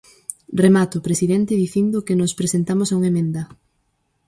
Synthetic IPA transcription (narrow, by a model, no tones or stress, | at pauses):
remat̪opɾesiðɛnt̪ɪðiθind̪okenospɾesent̪amosauŋemẽnd̪ɐ